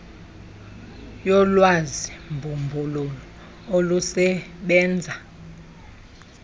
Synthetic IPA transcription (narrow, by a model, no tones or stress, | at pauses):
jɔlwazimbʱumbʱululɔ | olusɛɓɛːnd͡zʱa